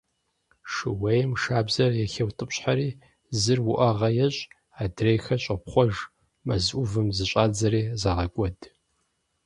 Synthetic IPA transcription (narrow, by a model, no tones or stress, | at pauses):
ʂɨwejmʂaːbzɐrjɛxɐwtʼɨpɕħaɾiː | zɨrwʊʔɐʁɐjɛɕʼ | aːdrejxɐɕʼɐpχʷɔʒ | mɐzʔʷʊvɨmzɨɕʼaːd͡zɐɾiːzaːʁɐkʷʼɔd